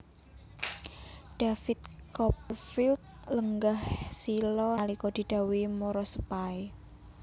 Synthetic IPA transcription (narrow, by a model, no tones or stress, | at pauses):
ɖ̪̥afit̪̚kɔpərfilt̪̚ləŋɡahsilɔalikɔd̪̥i̤d̪̥a̤wimoɾɔsəpae